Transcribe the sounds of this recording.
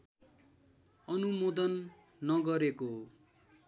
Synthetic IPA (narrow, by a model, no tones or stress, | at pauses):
ʌnumod̪ʌnː | ʌɡʌɾeko